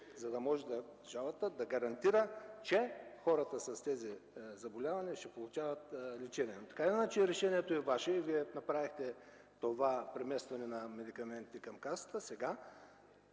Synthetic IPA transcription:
zɐd̪ɐmɔʒɛd̪ɐʒalˠɐt̪əd̪ɐɡɐɾɐnt̪iɾət͡ʃɛxɔɾət̪əsɐst̪ɛzizɐbolʲavɐniʃt̪ɛpolˠut͡ʃavɐt̪lit͡ʃɛniɛnot̪ɐ̥kailɛnat͡ʃiɾɛʃɛniɛt̪oɛvaʃɛiviɛnɐpɾavixt̪ɛ | t̪ovapɾɛmɛst̪vɐnɛnɐmɛd̪ikɐmɛnt̪ikɐmkasə̥t̪əsɛɡa

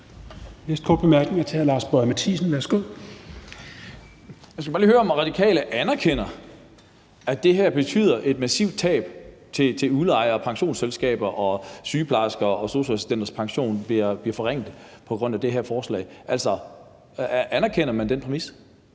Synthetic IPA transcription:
nesd̥̚kʰɒ̰ːd̥̚b̥emæɐɡ̥ne̝ŋɐt͡sʰeælɑ̈ːsb̥ɔmæt͡sʰḭsn̩ʋæɐsɡ̥o̝ð̰ˠ | mænsɡ̥æb̥ɑːliːhøːɐɒ̽mʁɑ̈d̥ikʰɛ̰ːləʔænɐkʰen̰ɐ | æd̥e̝ɦæɐ̰b̥e̝t͡sʰy̰ːð̞̰ˠɐʔe̝d̥mæsḭʊd̥̚t͡sʰɛ̰ːb̥ | t͡sʰe̝t͡sʰe̝uðˠəɑ̈ɪɐpʰɑ̈ŋɕo̝̰ːnselsɡ̥ɛ̰ːb̥ɐʔɒ̽syːpʰlɑ̈sɡ̥ɐɒ̽so̝ɕʁesisd̥end̥ɐspʰɑ̈ŋɕo̝̰ːnb̥iɐb̥liɐfɒ̽ʁeŋ̰d̥̩pʰɒ̽ɡ̥ʁɔ̽n̰æd̥e̝ɦæɐ̰fɒːslɛ̰ːʔæl̰sɒ | ʔænɐkʰen̰ɐmænd̥enpʰʁɛmis

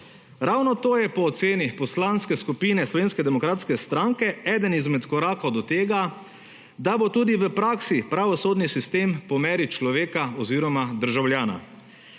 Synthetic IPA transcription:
ɾawnɔt̪oːjɛpɔːt̪seːnipɔslanskɛskupiːnɛslɔʋeːnskɛd̪ɛmɔkɾaːt̪skɛst̪ɾaŋkɛɛːd̪ənizmɛt̪kɔɾaːkod̪ɔt̪eːɡa | d̪abot̪uːd̪iʋəpɾaːksipɾaʋɔsoːd̪nisist̪eːmpɔmɛːɾit͡ʃlɔʋeːkaɔziːɾɔmad̪əɾʒawljaːna̰

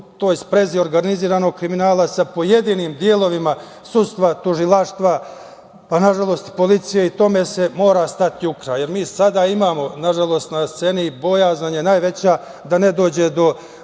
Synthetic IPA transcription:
t̪o̞ːjspɾe̞zio̞ɾɡaniziːɾaːno̞ɡ̚kɾiminaːlˠasapo̞je̞d̪iːniːmd̪je̞lˠo̞ʋima | sud̪st̪ʋat̪uʒilˠaːʃt̪ʋa | panaʒalˠo̞ːst̪po̞lit̪sijeit̪o̞me̞se̞mo̞ːɾast̪at̪jukɾaje̞ɾmiːsad̪aimaːmo̞naʒalˠo̞ːst̪nast̪se̞nibo̞jaːznaɲenaːjʋe̞t͡ɕa | d̪ane̞d̪o̞ːd͡ʑe̞d̪o̞

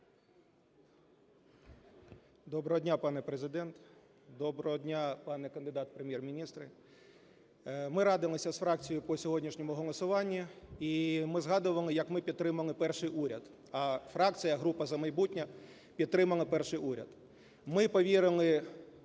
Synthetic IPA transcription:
d̪ɔbɾɔɦɔdʲnʲapɑnɛpɾezɪd̪ɛnt̪ | d̪ɔbɾɔɦɔdʲnʲapɑnɛkɐnd̪ɪd̪ɑt̪̚pɾemʲjermʲinʲist̪ɾɪ | mɪɾɑd̪ɪlˠɪsʲɐsfɾɑk̚t͡sʲijʊpɔsʲɔɦɔdʲnʲiʃnʲɔmʊɦɔlˠɔsʊʋɑnʲːiimɪzɦɑd̪ʊʋɐlˠɪjɐkmɪpʲid̪t̪ːɾɪmɐlˠɪpɛrʃɪjʔuɾʲɐ̰d̪ | ɐfɾɑkt͡sʲɨjɐɦɾupɐzɐmɐjbutʲnʲɐ | pʲid̪̚t̪ːɾɪmɐlˠɐpɛrʃɪjuɾʲɐ̰d̪ | mɪpɔʋʲiɾɪlˠɪ

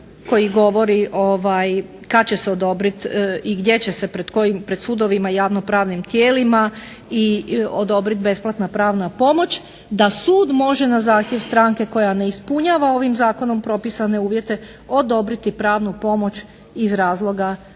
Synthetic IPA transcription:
ko̞jiɡo̞ʋo̞ɾiʔoʋaj | kat͡ɕe̞seod̪o̞bɾit̪iɡd̪je̞t͡ɕe̞sepɾed̪ko̞jimpɾe̞d̪suːd̪o̞ʋimajaʋno̞pɾaːʋnimt̪je̞ːlima | iod̪o̞bɾit̪̚be̞splˠat̪napɾaːʋnapo̞mo̞t͡ɕ | d̪asuːd̪mo̞ʒe̞nazaːxt̪je̞ʋst̪ɾaŋke̞ko̞jane̞ispuɲaʋao̞ʋimzaːko̞no̞mpɾo̞pisane̞uːʋje̞t̪e̞ | o̞d̪o̞bɾit̪ipɾaːʋnupo̞mo̞t͡ɕ | izɾaːzlˠo̞ɡa

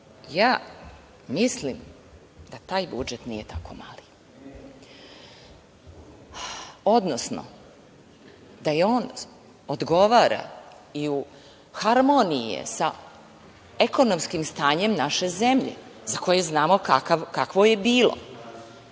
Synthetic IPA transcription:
jaː | mislim | d̪̥at̪aːjbud͡ʒet̪nije̞t̪ako̞mali | o̞d̪nosno̰ | d̪ajeoːn | od̪ɡo̞ʋaːɾa̰ | iu | xaɾmonijḛsa | eko̞no̞mskimst̪aːɲe̞mnaʃe̞zemʎe̞̰zako̞jeznaːmo̞kakaʋkakʋojebiːlo̰

